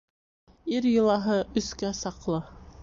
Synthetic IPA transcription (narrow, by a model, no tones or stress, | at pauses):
iɾjɤ̆lˠɑɦɤʔɵ̆skæsɑqlˠɤ